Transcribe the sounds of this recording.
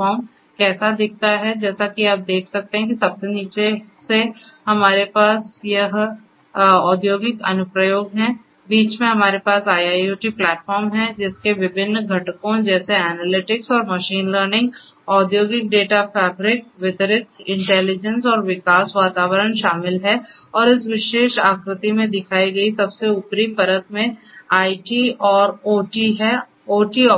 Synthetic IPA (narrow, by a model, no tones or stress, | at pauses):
fɔːɾm | kɛːsad̪ɪk̚ʰt̪aɦɛd͡ʒɛːsakiaːp̚d̪eːk̚ʰsɐk̚t̪eɦɛ̃kisɐbseniːt͡ʃese | hɐmaːɾepaːsjɐɦ | ɔːd̪joːɡɪkɐ̰nʊpɾəjoːɡɦɛ̃ | biːt͡ʃmẽɦɐmaːɾepaːsaːjaːuːʈiplɛːʈfɔːɾmɦɛ̃d͡ʒɪskeʋɪbʱɪnːɡʱɐʈkõd͡ʒɛːseɛːnəlɪʈɪksɔːɾmɐʃiːnləːɾnɪ̃ŋɡɔːd̪joːɡɪk̚ɖeːʈafɛːbɾɪk̚ʋɪt̪əɾɪt̪ʰɪ̃ɳʈɛːlɪd͡ʒə̃nsɔːɾʋɪkaːsʋaːt̪aːʋəɾəɳʃaːmɪlɦɛɔːɾɪsʋɪʃeːʃaːkɾɪt̪imẽd̪ɪkʰaːiɡɐisɐbseʊpɾipɐɾət̪̚mẽ | aːiʈiɔːɾoːʈiɦɛ | oːʈiɔ